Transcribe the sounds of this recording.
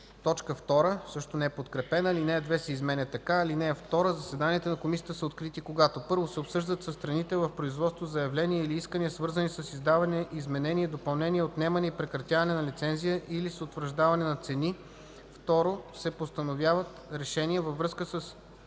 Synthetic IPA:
t̪ɔt͡ʃkəft̪ɔɾəsɤʃt̪onɛɛpot̪kɾɛpɛnəlinɛɐd̪vɛsɛizmɛnʲət̪ːɐkalinɛəft̪ɔɾəzɐsɛd̪aniət̪ɛnɐkomisijət̪əsəot̪kɾit̪ikoɡat̪opɤɾvosɛopsɤʒd̪ət̪sɐst̪ɾɐnit̪ɛvɐfpɾoizvɔt̪st̪vozɐjɐvlɛniɛiliiskəniəsvɤɾzənisəsizd̪avɐnɛizmɛnɛniɛd̪opɐlˠnɛniɛot̪nɛmɐnɛipɾɛkɾɐt̪ʲjavɐnɛnɐlit̪sɛnzijəʔilisot̪vɾəʒd̪avɐnɛnɐt̪sɛni | ft̪ɔɾosɛpost̪ɐnovjavət̪ɾɛʃɛniɛvɐvɾɤskəsəs

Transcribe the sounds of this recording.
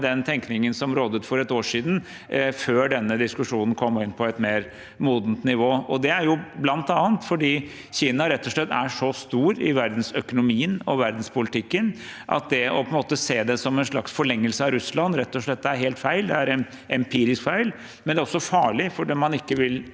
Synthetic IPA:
d̪ɛnt̪ʰɛŋknɪŋənsɔmɾoːd̪ət̪fɔɾɛt̪oːʂiːd̪n̩ | føːɖɛnːəd̪ɪskʉʂuːnən̩kʰɔmːɔɪnpʰɔɛt̪meːɾ | muːd̪nt̪nɪʋoːɔd̪ɛæɾjʊblɑnt̪ɑːnt̪fɔɖiː | çiːnɑɾɛt̪ːɔʂɭɛt̪ːæʂɔst̪uːɾɪ̰ʋæɾd̪n̩sœkʊnʊmiːənɔʋæɾd̪n̩spʊlɪt̪ʰɪkːənʔɑ̰t̪̚d̪ɛɔ̰pʰɔɛnmoːt̪əseːd̪ɛsɔmɛnʂɭɑksfɔɭɛŋːəlsəɑɾʉslɑnːɾɛt̪ːɔʂɭɛt̪̚ːd̪ɛæɾɦeːlt̪fæɪld̪ɛæɾɛn | ɛmpʰiːɾɪskfæɪl | mɛnd̪ɛæːɾɔsːɔfɑːɭɪfɔɖɛmɑnɪkːəʋɪl

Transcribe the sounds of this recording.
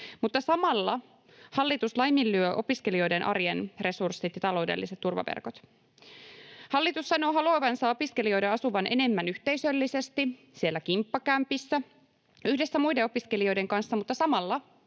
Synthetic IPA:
mut̪ːɑsɑmɑlːɑ | hɑlːit̪uslɑjmilːyøʔo̞piskelio̞jde̞nʔɑ̰ɾjenre̞sursːit̪jɑt̪ɑlo̞wdelːiset̪t̪ːurʋɑ̰ʋḛrko̞t̪ | hɑlːit̪usːɑno̞ːɦɑluɑʋɑnsɑo̞piske̞lio̞jdɑɑsuʋɑnʔe̞ne̞mːænyht̪e̞jsø̞lːise̞st̪i | sielːækimpːɑkæmpisːæ | yhde̞sːæmujdeo̞piske̞lio̞jde̞ŋkɑnsːɑmut̪ːɑsɑmɑlːɑ

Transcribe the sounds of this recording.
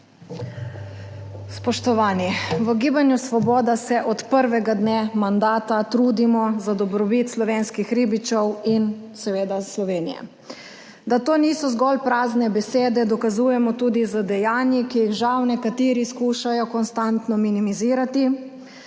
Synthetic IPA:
spɔʃt̪ɔʋaːniʋəɡiːbanjusʋɔbɔːd̪asɛʔɔt̪pəɾʋɛɡad̪nemand̪aːt̪at̪ɾuːd̪imɔzad̪ɔbɾɔbit̪slɔʋeːnskixɾiːbit͡ʃɔwin | sɛʋeːd̪aslɔʋeːnijɛ̰ | d̪at̪oːniːsɔzɡɔlpɾaːznɛbɛseːd̪ɛd̪ɔkazuːjɛmɔt̪uːd̪izəd̪ɛjaːnjikijiɣʒawnɛkat̪iːɾiskuːʃajɔkɔnst̪ant̪nɔminimiziːɾat̪i

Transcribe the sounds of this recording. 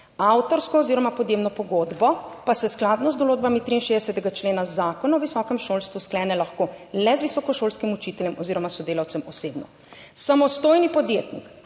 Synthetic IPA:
awt̪ɔɾskɔːziɾɔmapɔd̪jebnɔpɔɡoːd̪bɔpasɛsklad̪nɔzd̪ɔloːd͡ʒ̪bamit̪ɾiːnʃeːd̪ɛsɛt̪ɛɡat͡ʃleːnazaːkɔnaɔʋisɔkɛmʃoːlst̪ʋusklɛːnɛlaxkoːlɛzʋisɔkɔʃoːlskimut͡ʃit̪ɛljɛmɔziːɾɔmasɔd̪eːlawt̪sɛmɔsebnɔ̰ | samɔst̪oːjnipɔd̪jet̪nḭk

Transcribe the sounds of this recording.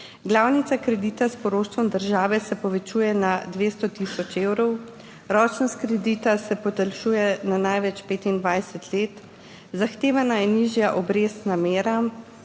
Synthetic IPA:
ɡlaːwnit̪sakɾɛd̪iːt̪aspɔɾoːʃt̪ʋɔmd̪əɾʒaːʋɛsɛpɔʋɛt͡ʃuːjɛnad̪ʋeːst̪ɔt̪iːsɔt͡ʃeːwɾɔw | ɾɔːt͡ʃnɔskɾɛd̪it̪asɛpɔt̪əlʃuːjɛnanajʋɛt͡ʃpeːt̪ind̪ʋajsɛt̪leːt̪ | zaxt̪eːʋanajɛniːʒjaʔɔbɾeːsnameːɾa

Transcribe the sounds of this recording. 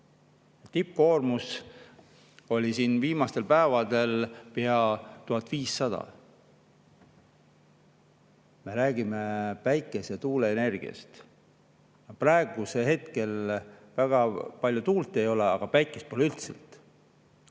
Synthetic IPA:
jɑt̪ip̚ːko̞ːrmus | o̞lʲisiːnviːmɑst̪e̞lpæːvɑd̪̥e̞lpeɑt̪uɦɑt̪ːˑviːsːɑd̪̥ɑ̰ | me̞ɾæːɡimepæjkːˑe̞set̪uːle̞ːne̞rɡ̥ḭɑ̰st̪ | jɑprɑe̞ɡ̥use̞ɦe̞t̪ke̞lvæɡ̥ɑpɑlʲjut̪uːlt̪ˑːe̞jo̞leɑɡ̥ɑpæjkːˑest̪̚polylt̪sḛlt̪ˑ

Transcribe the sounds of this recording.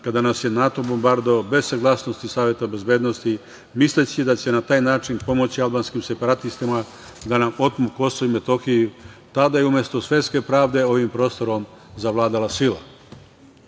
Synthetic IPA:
kad̪anasje̞nat̪o̞bo̞mbaɾd̪oobe̞ssaɡlˠaːsno̞st̪isaːʋje̞t̪abe̞zbe̞ːd̪nost̪i | mislet͡ɕid̪at͡ɕe̞nat̪aːjnaːt͡ʃinpo̞mo̞t͡ɕialˠbaːnskimse̞paɾat̪ist̪ima | d̪anamo̞t̪muko̞soime̞t̪o̞xijut̪ad̪ajeumje̞st̪osʋe̞t̪ske̞pɾaːʋd̪e̞o̞ʋimpɾo̞ːst̪o̞ɾo̞m | zaʋlaːd̪alasila̰

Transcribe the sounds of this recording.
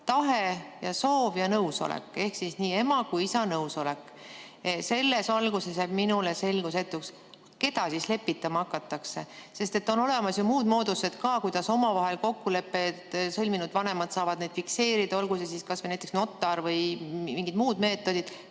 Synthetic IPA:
t̪ɑɦe̞jɑso̞ːvjɑnɤwso̞̰lḛkːˑe̞hksisniːe̞mɑkujisɑnɤwso̞le̞kː | se̞lːe̞sɑlɡ̥use̞sjæb̥minule̞se̞lɡuse̞t̪ːuks | ke̞d̪ɑsisle̞pːit̪ːˑɑmɑɑkːɑt̪ːˑɑkse̞se̞st̪e̞t̪ːo̞no̞le̞mɑsjomuːd̪mo̞ːd̪̥use̞d̪̥kɑkujd̪̥ɑso̞mɑvɑɦe̞lko̞kːule̞pːe̞t̪sɤlʲminud̪vɑnemɑd̪sɑːvɑd̪̥ned̪̥fikse̞ːɾid̪̥ɑo̞lɡusesiskɑsvenæjt̪ːˑeksno̞t̪ːˑɑɾvɤjmiŋɡid̪muːd̪̥me̞ːt̪ːˑo̞d̪̥id̪̥

